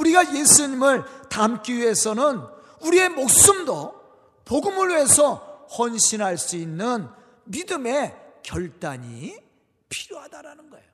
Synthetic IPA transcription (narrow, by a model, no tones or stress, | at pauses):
uɾiɡaje̞sʰuɲimɯɭtamk͈iɥiɦe̞sʰʌnɯn | uɾie̞mok̚s͈ɯmdo | poɡɯmɯɭwiesʰʌhʌnɕʰinɦaɭs͈uinːɯn | midɯme̞kjʌɭt͈aɲḭ | pʰiɾjoɦadaɾanɯnɡʌejo